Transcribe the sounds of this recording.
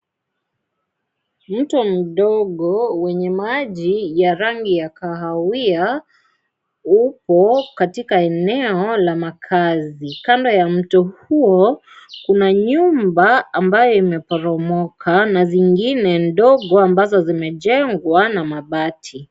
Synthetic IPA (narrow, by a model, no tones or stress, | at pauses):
m̩tɔm̩ɗɔɠɔwɛɲɛmaʄijaɾaŋɡijakaɦawia | upɔkatikaɛnɛɔlamakʰazikandɔjam̩tɔhuɔ | kunaɲumbaːmbajɔimɛpɔɾɔmɔkʰanaziŋɡinɛnɗɔɠɔambazɔzimɛʄɛŋɡwanamaɓatʰi